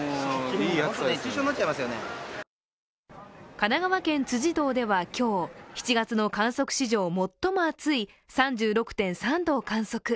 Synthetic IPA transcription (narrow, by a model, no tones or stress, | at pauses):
iaeɕonːat͡ɕaimasɨjone | kanaɡaβakẽ̞nt͡sɨʑid̪o̞ːd̪e̞βakʲʰo̞ːçi̥t͡ɕiɡat͡sɨno̞kãɰ̃so̞kɯ̟̥ɕiʑo̞ːmo̞t̪ːo̞mo̞at͡sɨi | sãɲ̟d͡ʑɨːɾo̞kɯ̟̥t̪ẽ̞ɰ̃sãnd̪o̞ːkãɰ̃so̞kɯ̟